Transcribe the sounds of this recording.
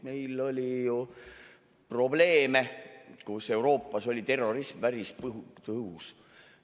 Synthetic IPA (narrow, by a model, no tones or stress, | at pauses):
me̞jlːo̞lʲiju | pro̞ble̞ːme̞kuse̞wɾo̞ːpːˑɑso̞lʲit̪e̞rːo̞ɾismvæɾispɦut̪ɤus